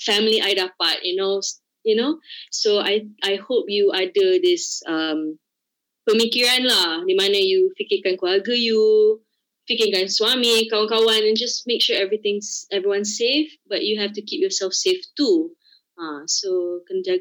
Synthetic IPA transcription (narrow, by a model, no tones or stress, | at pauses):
fɛmliʔajdapat̚juno | junosoajajhop̚juadədɪsʌ̃m | pəmikɔɹãnladimãnəjufikĩŋkãnkuaɡəju | fikɪ̃ŋkãnswamikawãŋkawãnɛ̃nd͡ʒasmek̚ʃuɛvɹit̪ɪ̃ŋsɛvɹiwãnsːefbaʔ̚juɦɛftukip̚jɔsɛlfseftu | ãsokə̃nd͡ʒa